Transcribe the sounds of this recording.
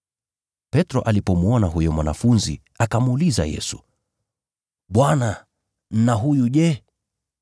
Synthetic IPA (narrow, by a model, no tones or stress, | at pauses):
pɛtɾɔʔalipɔmuɔnaɦujɔmwana̰funzḭ | akamuːliza̰jɛ̰su̥ | ɓwana | n̩naɦujuʄɛ